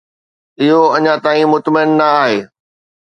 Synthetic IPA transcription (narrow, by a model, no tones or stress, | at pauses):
ɪɦoɐɲãt̪aːĩmʊt̪məɪnːɐaːɦeː